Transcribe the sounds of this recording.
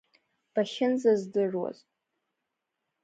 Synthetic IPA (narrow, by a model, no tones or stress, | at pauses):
b̥aʃɪnzazdɨʐwa̰z